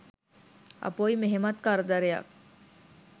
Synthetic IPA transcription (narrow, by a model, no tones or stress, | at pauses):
ɐ̰pojmeɦemat̪kaɾəd̪aɾeja̰k̚